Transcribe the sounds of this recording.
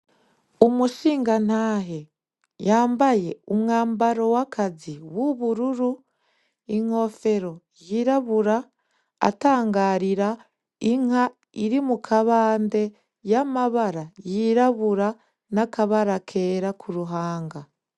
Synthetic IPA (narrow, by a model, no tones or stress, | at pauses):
umuʃiːŋɡan̥aɦe | jaːmbaje̞umŋaːmbaɾo̞wakʰaziβwuβuɾuɾu | iŋo̞fe̞ɾo̞ | jiɾaβuɾa̰ː | taːŋɡaɾiɾa | iŋa | iɾimukʰaβaːnde̞ | jamaβaɾajiɾaβuɾa | nakaβaɾakʰe̞ːɾakʰuɾuɦaːŋɡa